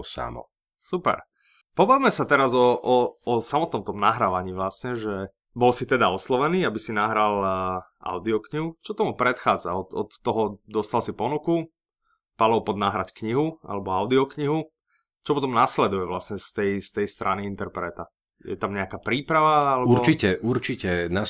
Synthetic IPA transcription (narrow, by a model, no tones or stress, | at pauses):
sa̰mɔ̰ | supɛ̰ɾ | pɔbaʋmɛsat̪ɛɾazɔʔɔːsamɔt̪̚nɔmt̪ɔmnaɦɾaːʋaɲiːʋlasɲɛʒɛ | bɔlsit̪ɛd̪aɔslɔʋɛniːabisinaɦɾalʔa̰ʊd̪iɔkɲiɦut͡ʃɔt̪ɔmupɾɛt̪xaːd͡za̰ɔt̪ɔ̰t̪ːɔɦɔd̪ɔst̪alsipɔnuku | palɔwpɔd̪naɦɾackɲiɦua̰lɛbɔaʊd̪iɔkɲiɦu | t͡ʃɔpɔt̪ɔmnaslɛd̪ujɛʋlasɲɛst̪ɛjst̪ɛjst̪ɾʔaniint̪ɛɾpɾɛt̪a | jɛ̰t̪amɲɛakaːpɾiːpɾaʋaalɛbuɾt͡ʃicɛʔuɾt͡ʃicɛna